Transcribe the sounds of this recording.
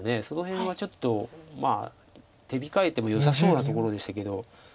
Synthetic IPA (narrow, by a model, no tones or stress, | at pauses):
ne̞so̞no̞ɦẽ̞ɰ̃βat͡ɕo̞t̪ːo̞ma̰ː | t̪e̞bʲikae̞t̪ːe̞mo̞josaso̞ːnat̪o̞ko̞ɾo̞d̪e̞ɕi̥t̪ake̞d̪o̞